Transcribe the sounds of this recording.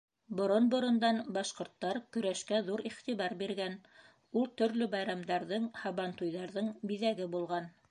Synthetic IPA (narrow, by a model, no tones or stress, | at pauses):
bŏɾonbŏɾŏnd̪ɑnbɑʃqŏɾt̪ːɑɾkɵ̆ɾæʃkæðuɾiχt̪iβɑɾbiɾɡæn | ulˠt̪ɵ̆ɾlɵbɑjɾɑmd̪ɑɾðɤɴhɑβɑnt̪ujðɑɾðɤɴbiðæɡɘbulˠʁɑn